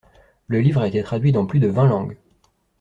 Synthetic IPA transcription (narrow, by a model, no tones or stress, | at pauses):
ləlivʁaet̪ɛt̪χad̪ɥid̪ɑ̃plyd̪əvɛ̃lɑ̃ɡ